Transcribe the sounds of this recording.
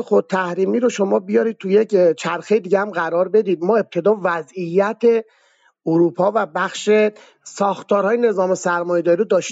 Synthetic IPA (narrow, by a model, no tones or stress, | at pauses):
xot̪ʰːæhɾiːmiːɾoʃo̞mɒːbijɒɾiːd̪̚t̪ʰuje̞ct͡ʃʰæɾxejed̪iːɡehæmɣæɾɒːɾbe̞d̪iːd̪̚mɒːe̞p̚t̪ʰe̞d̪ɒːvæzijːæt̪ʰe̞ | oɾuːpʰɒːvæbæxʃe | sɒːxt̪ʰɒːɾhɒːjene̞zɒːme̞sæɾmɒːjed̪ɒːɾiɾod̪ɒːʃ